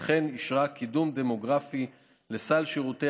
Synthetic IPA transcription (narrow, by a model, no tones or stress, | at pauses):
χe̞niʃʁakʰid̪umd̪emo̞ɡʁafi | le̞salʃiʁut̪e